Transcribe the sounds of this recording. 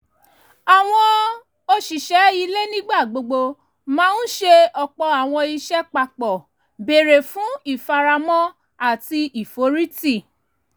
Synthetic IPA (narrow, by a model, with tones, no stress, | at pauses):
a˨w̃ɔ̃˧ | o˧ʃi˨ʃɛ˨˦i˧le˦nĩ˦ɡ͡ba˦˨ɡ͡bo˧ɡ͡bo˧ | mãː˦n̩˦ʃe˧ɔ˧k͡pɔ˧a˨w̃ɔ̃˧i˧ʃɛ˦k͡pa˧k͡pɔ˨ | be˨ɾe˨fũ˨˦i˦˨fa˧ɾa˧mɔ̃˦ | a˦˨ti˧i˨fo˨˦ɾi˦ti˦˨